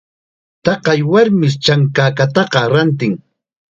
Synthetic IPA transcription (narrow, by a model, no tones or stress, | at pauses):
t̪ɑqɑjwaɾmɪst͡ʃaŋkaːkat̪ɑqɑɾant̪̬ɪŋ